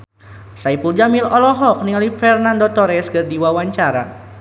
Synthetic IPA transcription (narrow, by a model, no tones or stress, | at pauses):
saipuld͡ʒamilɔlɔɦɔk̚niŋalifɛrnandot̪ɔɾɛskɨrdiwawaɲt͡ʃaɾa